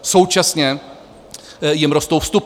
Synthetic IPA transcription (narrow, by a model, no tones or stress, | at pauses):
sowt͡ʃasɲɛ | jɛmɾɔst̪owfst̪up